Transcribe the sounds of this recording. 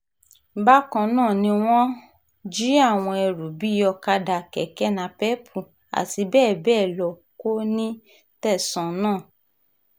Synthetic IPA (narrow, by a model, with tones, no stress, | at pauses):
ba˦kɔ̃˧nãː˦˨nĩ˧w̃ɔ̃˦ | d͡ʒi˦a˦˨w̃ɔ̃˧ɛ˧ɾu˨bi˨˦jɔ˧ka˧da˨kɛ̰˨kɛ˦nã˧pɛ˦pʰu˨ | a̰˨ti˧bɛː˦˨bɛː˦˨lɔ˨ko˦nĩ˦ | tɛ˦˨sɔ̃˨nãː˦˨